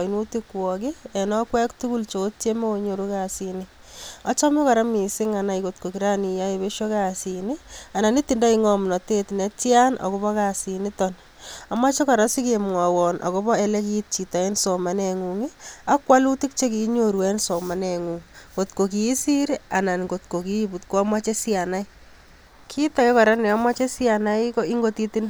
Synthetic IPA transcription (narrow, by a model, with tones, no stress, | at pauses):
nu˦tikwɔki˦e˨nɔ˦kwɛ˦ktu˦ku˦lt͡ʃo˦t̚t͡ʃe˦mo˦o˧ɲo˨ɾu˦kasini | ɔ˦t͡ʃɔ˦me˦ka˨ɾa˦mi˨sɪ˦ŋa˨na˨iko˨tko˨ki˨ɾa˦ni˨ja˦e˧βe˦ʃo˦kasi˨ni˦a˨na˨ni˦tinda˦iŋɔmnɔ˨tetne˦tja˦nʔɔ̰˨ku˦bɔ˦kasi˨nitɔn | a˨mwa˦t͡ʃe˦ka˨ɾa˦si˦kemŋwa˨wɔ˨nʔa̰˨ko˦bɔ˦e˦le˦ki˦t̚t͡ʃi˨ta˨e˦nso˨ma˨ne˨ŋuŋi˦a˦kwa˦lu˦ti˦k̚t͡ʃe˦ki˨ɲo˨ɾwɛ˦nsɔ˨ma˨˦ne˨ŋu˨ŋko˨tko˨kiː˨˦si˦ɾi˦a˨na˨nko˨t̚ko˨ki˦bu˨tkwa˦mwa˦t͡ʃe˦sja˨na˦i | kʰi˦ta˦ke˦kɔ˨ɾa˦nɛ˨a˦mwa˦t͡ʃe˦sja˨na˦iko˦i˦ŋɡo˦ti˦tind